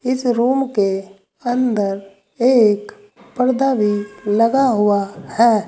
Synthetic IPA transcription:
ɪsɾuːmke | ə̃nd̪əɾ | eːk | pəɾd̪abilɐɡaɦʊahɛː

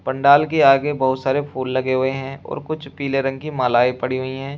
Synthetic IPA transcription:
pɐ̃ɳɖaːlk̬eaːɡebɐɦʊt̪saːɾepʰuːlːɐɡeɦʊeɦɛ̃ɔ̰ːɾkʊt͡ʃʰpiːleɾɐ̃ŋɡ̚kimaːlaːipɐɽiɦʊiɦɛ̃ː

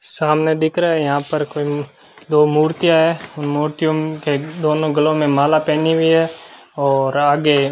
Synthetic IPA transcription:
saːmned̪ɪkʰɾaɦɛjɐɦãpəɾkoːi | d̪oːmuːɾt̪ijaɦɛːʊnmuːɾt̪ijõked̪oːnõɡɐlõmẽmaːlapɛːniɦiɦɛː | ɔːɾaːɡe

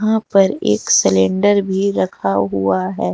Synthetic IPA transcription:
ɦãpɐɾḛːksɪlẽːɳɖəɾbʱiɾɐkʰaɦuaɦɛː

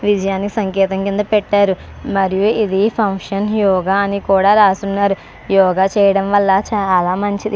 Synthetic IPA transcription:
ʋid͡ʒɐjaːniki̥sɐŋkɛːt̪ɐŋkind̪ɐpɛʈːaːɾu | mɐɾijuid̪ipʰɐŋkʂɐnjɔːɡaːɐnikuːɽaːɾaːsunːaːɾu | jɔːɡaːt͡ʃɛːjɐɽɐmʋɐlːɐt͡ʃalaːmɐɲt͡ʃid̪i

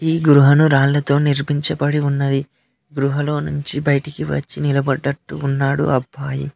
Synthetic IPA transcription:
iːɡɾuɦɐnuɾaːɭlɐt̪o̞ːniɾbiɲt͡ʃɐpɐɽiunːɐd̪i | ɡɾuɦɐlo̞ːnuɲt͡ʃibɐjɐʈikiʋɐ̰t͡ʃːinilɐbɐɖːɐʈːṵːnːaːɽṵɐbʱːaːjḭ

